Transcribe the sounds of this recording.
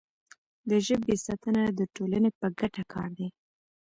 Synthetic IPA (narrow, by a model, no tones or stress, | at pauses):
d̪əʒəbesɑt̪ənad̪əʈolanepəɡaʈakʰɑ̰ɾd̪e